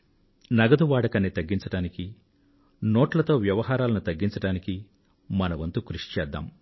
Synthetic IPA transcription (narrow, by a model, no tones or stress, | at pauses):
nɐɡɐd̪uʋaːɽɐkɐnit̪ɐɡːiɲt͡ʃɐɽaːniki | noːʈlɐt̪o̞ːʋjɐʋɐɦaːɾaːlɐnut̪ɐɡːiɲt͡ʃɐɽaːniki | mɐnɐʋɐnt̪ukɾuʂi̥t͡ʃɛːd̪ːa̰ːm